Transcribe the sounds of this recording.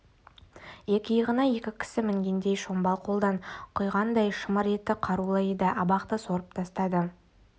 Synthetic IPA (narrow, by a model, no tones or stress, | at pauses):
je̞kʲɪjəʁənɑje̞kʲɪkʲʰɪ̥sɪmɪŋɡʲe̞nd̪e̞jʃo̞mbɑlˠqʰo̞lˠd̪ɑɴqʰʊjʁɑnd̪ɑjʃəməɾe̞t̪ːɪqʰɑɾulˠəed̪ɪʔɑbɑqt̪əso̞ɾəpt̪ʰɑst̪ɑd̪ə